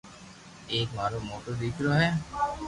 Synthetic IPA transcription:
ekmaɾomoʈod̪ikɾɔɦe

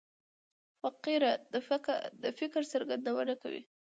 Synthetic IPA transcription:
faqiɾa | d̪əfɪkɾsəɾɡand̪awənaka̰wḭ

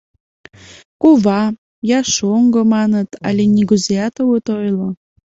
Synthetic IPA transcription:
kuβɑ | jɑʃoŋɡomɑnət̪ɑ̰lʲenʲiɡuzeɑt̪owut̪ojlo

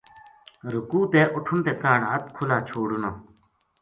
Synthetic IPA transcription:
ɾukuːt̪eːʔʊʈʰunt̪eːkaːɽaːt̪̚kʰulaːt͡ɕʰoːɽuna

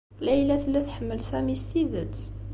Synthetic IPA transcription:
lʔəjlæt̪əlːæt̪ħəmːəlsæmist̪iðət̪

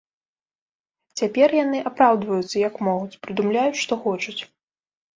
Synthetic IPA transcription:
t͡sʲapʲɛrjanɨʔapɾawd̪vɐjut̪sɐjɐkmɔɣut͡sʲpɾɨd̪umlʲajut͡sʲʂt̪ɔxɔt͡ʂut͡sʲ

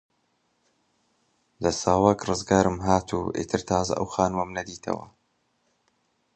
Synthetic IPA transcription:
d̪ɐsaːwɐkrɨzɡaːɾɨmɦaːt̪ʰṵʔḭːt̪ʰɨɾt̪ʰaːzɐ̰ʔɐ̰wxaːnɨmɐmnɐd̪iːt̪ʰɐ̰wɐ̰

